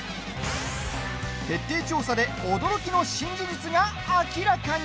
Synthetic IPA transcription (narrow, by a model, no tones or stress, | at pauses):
t̪e̞t̪ːe̞ːt͡ɕo̞ːsad̪e̞o̞d̪o̞ɾo̞kʲino̞ɕĩɲd͡ʑɨd͡ʑit͡sɨɡaː | kʲiɾakaɲ